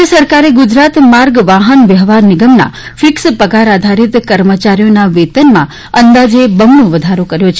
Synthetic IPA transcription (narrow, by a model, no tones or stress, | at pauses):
əsəɾkaɾeɡud͡ʒɾat̪maɾɡʋaɦənʋjəɦʋaɾnɪɡəmna̰ | fʰikspəɡaɾad̪ʱaɾit̪kəɾmət͡ʃaɾijonaʋet̪ənmã̰ | ənd̪ad͡ʒebəmnõʋəd̪ʱaɾokəɾjot͡ʃʰ